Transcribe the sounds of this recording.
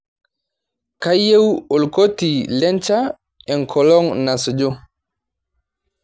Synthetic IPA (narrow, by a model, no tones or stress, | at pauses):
kajːewolkotilɛnt͡ʃa | ɛŋkʰɔlɔŋnasd͡ʒɔ